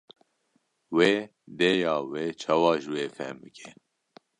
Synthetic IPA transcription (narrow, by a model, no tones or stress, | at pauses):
weː | d̪ejɑːweːt͡ʃʰɑːwɑːʒɨweːfɛmbɨkʰe